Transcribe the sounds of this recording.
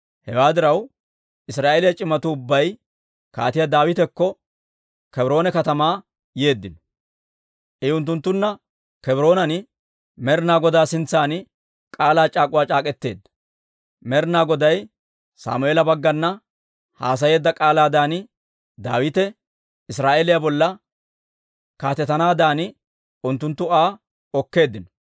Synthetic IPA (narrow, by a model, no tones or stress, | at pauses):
hɛwaːd̪ɪɾɐw | ʔɪsɾaːʔeːlɪjɐt͡ʃʼɪmɐt̪ʊʊbːɐj | ka̰ːt̪ɪjɐd̪aːwɪt̪ɛkːɔ | kɛbɾo̞ːnɛkɐt̪ɐmaː | je̞ːd̪ːɪnɔ | ʔɛʊnt̪ːʊnt̪ːʊnːɐ | kɛbɪɾo̞ːnɐnɪ | mɛɾɪnaːɡɔd̪aːsɪnt͡sːaːnɪ | kʼaːlaːt͡ʃʼaːkʼʊwaːt͡ʃʼaːkʼɛt̪ːe̞̰ːd̪ːɐ̥ | mɛɾnaːɡɔd̪ɐj | sa̰ːmʊeːlɐbɐɡːɐnːɐ | haːs̬ɐje̞ːd̪ːɐkʼaːlaːd̪aːnɪ | d̪aːwɪt̪ɛ | ɪsɾaːʔeːlɪjabɔlːɐ | kaːt̪ɛt̪ɐnaːd̪aːnɪ | ʊnt̪ːʊnt̪ːʊaː | ɔkːe̞ːd̪ːɪnɔ̥